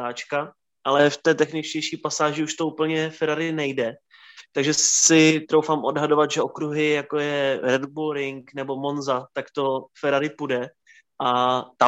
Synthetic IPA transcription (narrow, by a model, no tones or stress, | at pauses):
aːt͡ʃka | ʔalɛft̪ɛːt̪ɛxnɪt͡ʃcɛjʃiːpasaːʒɪuʃt̪o̞uːpl̩ɲɛfɛɾaɾɪnɛjdɛ | t̪aɡʒɛsɪt̪ɾowfaːmʔo̞dɦadovad̪ʒɛʔokɾuɦɪjakojɛɾɛd̪buɾɪŋknɛbo̞monzat̪akt̪o̞fɛɾaɾɪpudɛ | ʔat̪a